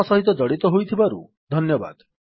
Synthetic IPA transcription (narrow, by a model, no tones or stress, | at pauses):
ɔsɔɦit̪ɔd͡ʒɔɽit̪ɔɦujt̪ʰibaɾṵ | d̪ʱɔnjɔba̰d̪